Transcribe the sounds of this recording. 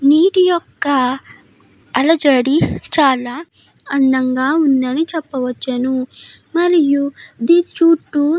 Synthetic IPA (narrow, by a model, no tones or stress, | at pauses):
niːʈijɔkːɐ | lɐd͡ʒɐɽit͡ʃaːlaː | ɐnd̪ɐŋɡaːund̪ɐnit͡ʃɛpːɐʋɐt͡ʃːɐnumɐɾijud̪it͡ʃuːʈːu